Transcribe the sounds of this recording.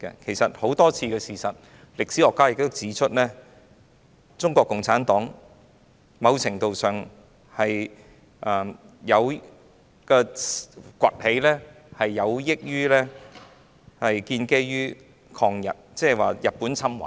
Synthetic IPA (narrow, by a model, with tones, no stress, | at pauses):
kɛ̰˧kʰe˨˩jsɐ˨t̚ho˨˥wt̪ɔː˥t͡sʰiː˧kɛː˧siː˨˩sɐ˨t̚ | lɪ˨k̚si˨˥ɔː˨˩kːaː˥jɪ˨˧k̚t̪ːʊ˥t͡siː˨˥t͡ʃʰɵ˥t̚lɛː˥ | t͡sʊ˥ŋkʷɔː˧kːʊ˨ŋt͡sʰaː˨˥nt̪ɔː˨˥ŋ | mɐ˨˧wt͡sʰɪ˨˩ŋt̪o˨wsœː˨ŋ | hɐ˨j | ʔɐː˨jɐ˨˧w | kɛ˧ | kʷwʷɐ˨t̚he˨˥jlɛː˥ | hɐ˨jːɐ˨˧wjɪ˥k̚jyː˥lɛː˥ | hɐ˨jkiː˧nke˥jjyː˥ | kʰɔː˧ŋjɐ̰˨t̚t͡sɛː˥˨˩waː˨jɐ˨t̚pːuː˨˥nt͡sʰɐ˥mwɐ̰˨˦j